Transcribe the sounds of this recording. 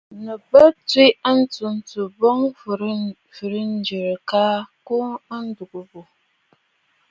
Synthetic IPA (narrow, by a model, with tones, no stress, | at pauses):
nə˨bə˦t͡swi˦a˦n̩˦tu˨n̩˨tu˨bɔ˦ŋ˨ɾ | fɨ˨ɾn̩˦d͡ʒi˨ɾka˦ko˦a˦n̩˦du˨ɡu˨bu˨